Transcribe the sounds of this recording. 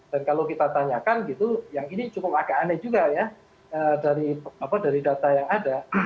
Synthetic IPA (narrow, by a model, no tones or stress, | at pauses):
d̥ankalowkit̪at̪aɲakanɡit̪ujaŋinit͡ʃukʊp̚akeanɛd͡ʒuɡaja | ədaɾiapadaɾidat̪ajaŋada